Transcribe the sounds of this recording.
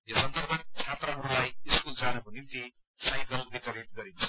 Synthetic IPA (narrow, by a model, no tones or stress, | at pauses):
jʌsʌnd̪ʌrbʱʌnt͡sʰat̪rʌɦʌɾulajiskuld͡zanʌkonimt̪i | sajkʌlbiʈʌɾeʈ̚ɡʌɾint͡sʰʌ̥